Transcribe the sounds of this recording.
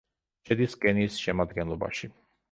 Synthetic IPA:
ʃɛd̪iskʼɛniːsʃɛmad̪ɡɛnlˠɔba̰ʃi

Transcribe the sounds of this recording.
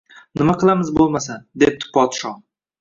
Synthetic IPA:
nɪmaqʰɨlˠamɪzbolˠmasad̪ep̚t̪ʰʊ̥pʰːɒt̪ʃɒ

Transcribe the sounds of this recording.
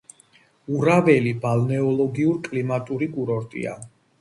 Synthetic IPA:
uɾavɛlibalnɛɔlˠɔɡiuɾkʼlimat̪ʼuɾikʼuɾɔɾt̪ʼḭa̰

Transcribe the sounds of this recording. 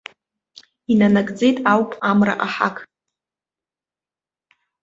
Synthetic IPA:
inanakʼd͡ze̞jtʼawpʼamra̰ʔaħa̰kʼ

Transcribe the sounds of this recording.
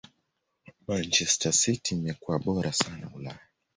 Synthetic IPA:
mant͡ʃɛstʰasitimɛkuwaɓɔɾasana̰ulaja

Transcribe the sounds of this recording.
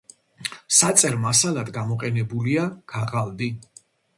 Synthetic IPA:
sat̪sʼɛɾmasalad̪ɡamɔqʼɛnɛbuliaɡ̥aʁalˠd̪i

